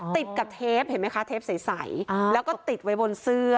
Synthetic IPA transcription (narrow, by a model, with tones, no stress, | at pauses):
t̪i˨˩t̪̚ka˨˩p̚t̪ʰeː˦˥p̚he˩˦ma˦˥jkʰa˦˥t̪ʰeː˦˥p̚si˨˩˦jsa˨˩˦jlɛː˦˥wkɔː˥˩t̪i˨˩t̪̚wa˦˥jbo˧nsɯː˦˥˩ɐ